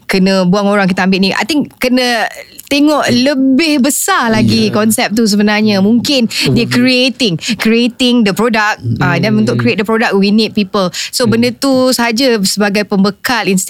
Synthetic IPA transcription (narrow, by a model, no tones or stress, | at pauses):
kənə̃buaŋoɾaŋkit̪aambɪʔnĩʔa̰jt̪ɪŋkənə̃ | t̪eŋɔʔləbɪhbəsalaɡikɔnsɛp̚t̪us̬əbənarɲãmũŋkɪndiəkɾiet̪ɪŋkɾiet̪ɪŋdəpɾodak̚adanunt̪ʊʔkɾiet̪̚dəpɾodak̚winɪt̪̚pipəlsobəndət̪usəɦad͡ʒasəbaɡajpəmbəkalinst̪